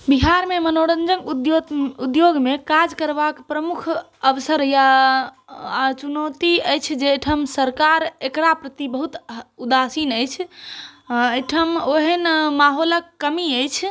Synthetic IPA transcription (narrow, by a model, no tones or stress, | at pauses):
biɦaɾmemənoɽənd͡ʒənkud̪joud̪joɡmekad͡ʒkəɾbakpɾəmukʰ | əʋsəɾja | t͡ʃunət̪iəjt͡ʃʰd͡ʒeʈʰəmsəɾkaɾekɾapɾət̪ibəɦut̪ud̪asinəjt͡ʃʰ | əjʈʰəmoɦənmaɦoləkːəmiəjt͡ʃʰ